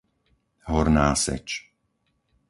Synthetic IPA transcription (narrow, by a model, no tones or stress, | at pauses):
ɦɔɾnaːsɛ̰t͡ʃ